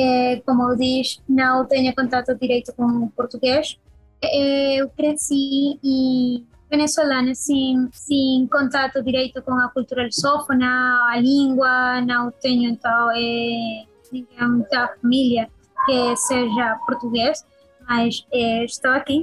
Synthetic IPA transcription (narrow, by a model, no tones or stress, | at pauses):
ɛkomʊewðiʃnɐ̃w̃t̪eɲʊkõnt̪at̪ʊðiɾejt̪ʊkõŋʊpoɾt̪uɣeʃ | ɛwkɾesii | βenesolanɐsiŋsĩkõnt̪at̪ʊðiɾejt̪ʊkoŋɐkult̪uɾalisofonɐɐliŋɡwɐnɐ̃w̃t̪eɲʊẽnt̪ãwɛ | nĩŋɡeŋt̪afamiljɐ | keseʒɐpoɾt̪uɣes | majsɛeʃt̪owaki